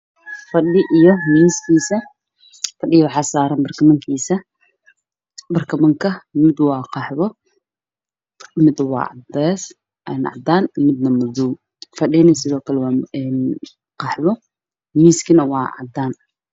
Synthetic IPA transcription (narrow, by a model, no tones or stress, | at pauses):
fɐɗɪʔijɔmiːskʰiːsɐ | fɐɖɪwɑħɑsaːɾɐnbɐrkʰɐmɐŋkʰiːsɐ | bɐrkʰɐmɐŋkʰɐmɪd̪wɑːqɑħβɔ | mɪd̪wɑ̰ːʕɑ̰d̪ɛːs | ʔnʕɑ̰d̪aːnmɪd̪nɐmʊd̪uːm | fɐɗɛːnɪsɪðɔːkʰɐlɛwɑːɛːn | qɑħβɔ | miːskʰinɐwɑːʕɑ̰d̪aːn